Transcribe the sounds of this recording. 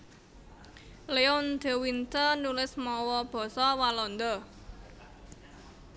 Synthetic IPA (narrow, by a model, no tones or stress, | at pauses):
leɔnd̪̥e̤wint̪ənulɪsmɔwɔb̥ɔ̤sɔwalɔnd̪ɔ